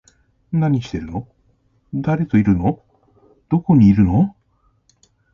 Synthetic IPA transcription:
naɲ̟iɕi̥t̪e̞ɾɯ̟no̞ | d̪aɾe̞t̪o̞iɾɯ̟no | d̪̥o̞ko̞ɲ̟iːɾɯ̟no̞

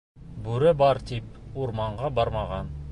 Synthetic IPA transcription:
bʉɾɘbɑɾt̪ip̚uɾmɑɴʁɑbɑɾmɑʁɑn

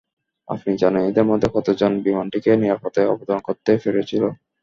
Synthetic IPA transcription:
a̰pnid͡ʑanaid̪eɾmod̪ʱːekʰɔt̪od͡ʑonbimanʈikeniɾapat̪oeɔ̰bod̪ankoɾt̪ːefeɾet͡ɕʰilo

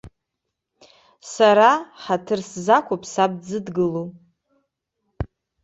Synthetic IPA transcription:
saɾaħatʰɨrszakʷʰopʼʰsab̚d͡zɨdɡɨlo

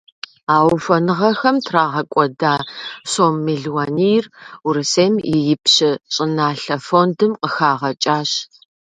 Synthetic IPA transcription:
aːwfɐnɨʁɐxɐmtʰraːʁɐkʷʼɔdaːɕoːmːeɮwaːnijruɾɨseːmɪjɪpɕɪɕʼɪnaːɬɐfondɨmqəxaːʁɐt͡ʃʼaːɕ

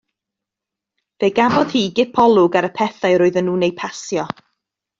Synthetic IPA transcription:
veɡavɔð̥hiːɡɪpʰɔlˠʊɡaɾəpʰɛθaɨɾoːɨðənuːnejpʰasjɔ

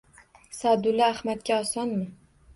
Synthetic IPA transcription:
sad̪ʊlaahmat̪̚kʲaɒsɒnmɪ

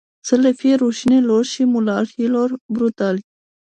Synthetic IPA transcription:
sələfieɾuʃineloɾʃimulɑɾiloɾbɾut̪al

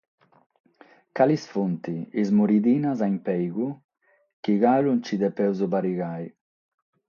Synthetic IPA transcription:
kalisfunt̪iizmuɾid̪iːnazaimpɛjɣu | kiɣalunt͡ʃid̪ɛpɛwzobaɾiɣaj

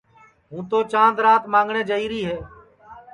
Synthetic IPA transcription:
ɦũːt̪oːt͡ʃãːnd̪ɾaːt̪mãːŋɡɳeːd͡ʒəiːɾiːɦeː

